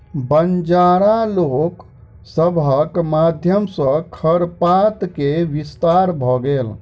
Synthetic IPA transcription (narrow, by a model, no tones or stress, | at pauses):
bənd͡ʒaɾalok | səbʱəkmad̪ʱjəmsə̃kʰəɾpat̪keʋist̪aɾbʱɔɡel